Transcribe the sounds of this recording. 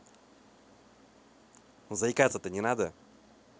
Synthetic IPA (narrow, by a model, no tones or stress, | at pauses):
zɐɪkat̪sːət̪ənʲɪnad̪ə